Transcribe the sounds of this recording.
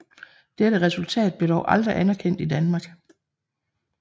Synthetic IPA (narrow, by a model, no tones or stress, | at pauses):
d̥eɾəʁɛsult͡sʰɛ̰ːd̥̚b̥le̝dɒʊʔɑ̈ld̥ʁiʔænɐkʰen̰d̥id̥ænmɑ̈ːɡ̥